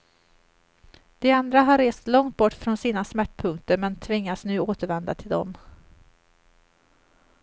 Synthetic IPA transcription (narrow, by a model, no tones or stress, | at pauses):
d̪̥ɛand̪ɾaɦaɾːeːst̪lɔŋt̪̚bɔʈːfɾɔnsiːnasmæʈːpʰɵŋk̚t̪əɾmɛnt̪ʰvɪŋːat̪snʉ̟ːoːt̪əɾvɛnd̪a̰t̪ʰɪld̪ɔ̰m